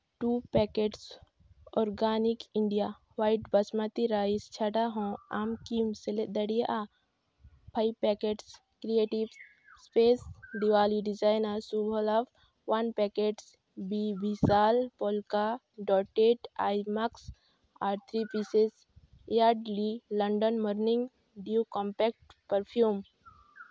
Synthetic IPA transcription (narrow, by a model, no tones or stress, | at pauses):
ʈuːpɛkeʈs | ɔːɾɡaːnikiɳɖija | waːiʈbɐsmat̪iɾaːist͡ʃʰɐʈaɦõːa̰ːmkiːmseled̪ɐɽijeʔa | pʰajʋpɛkeʈs | kɾijeːʈiʋ | speːsɖiʋaːliɖid͡ʒaːjnəɾsubʱolaf | ʋɐnpɛkeʈs | bibʱisaːlpɔlka | ɖɔːʈeʈajmaks | aːɾt̪ʰɾipises | jaːɖlilɐɳɖənməɾnĩŋɡ | ɖiukɔmpɛk̚ʈ̚pəɾpʰjum